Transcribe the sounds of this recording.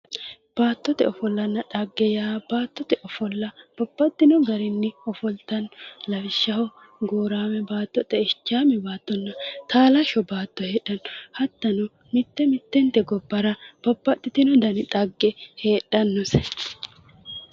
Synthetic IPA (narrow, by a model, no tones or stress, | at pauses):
b̥aːt̪ːɔt̪ɛ̰ɔfɔlːɐnːɐᶑɐɡːɛjaːb̥aːt̪ːɔt̪ɛʔɔfɔlːɐb̥ɔbːɐt̪ːɪnɔɡɐɾɪnːɪɔfɔlt̪ɐnːɔlɐwɪʃːɐhɔ | ɡoːɾaːmɛbaːt̪ːɔt̪ʼɛɪt͡ʃːaːmɛbaːt̪ːɔnːɐt̪aːlɐʃɔbaːt̪ːɔheːᶑɐnːɔhɐt̪ːɐnɔ | mɪt̪ːɛmɪt̪ːɛnt̪ɛɡɔbːɐɾɐb̥ɔbːɐt̪ːɪt̪ɪnɔd̪ɐnɪᶑ̪ʼɐɡːɛhe̞ːɗɐnːɔsɛ